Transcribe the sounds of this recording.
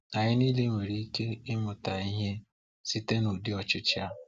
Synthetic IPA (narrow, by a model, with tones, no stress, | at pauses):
a˨ɲɪ˦niː˦le˦ŋʷe˨ɾi˨˦i˦ke˦ɪ˦mʊ˨ta˨i˦ɦe˦ | si˦te˦nu˨dɪ˦ɔ˨t͡ʃɪ˦t͡ʃɪ˦a˦